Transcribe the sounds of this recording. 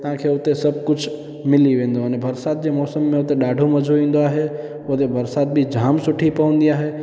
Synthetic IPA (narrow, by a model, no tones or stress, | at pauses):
t̪ɐɦãkʰeʊt̪esɐb̚ʱkʊt͡ʃʰ | mɪliʋẽːn̆d̪oənebʱɐɾsaːd̪̚d͡ʑemɔːsəmːẽʊt̪eɗaːɖʱomɐd͡ʒʱoʋĩːn̆d̪oaːɦe | ot̪ebɐɾsaːt̪̚bʱid͡ʒʱaːmsʊʈʰipɐʋə̃nd̪iaːɦe